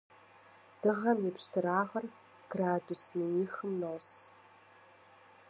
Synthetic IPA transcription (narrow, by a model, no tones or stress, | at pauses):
d̥ɨʁɐmjipʃtʰɨɾaːʁɐr | ɡ̥raːdusminiːxɨmnoːs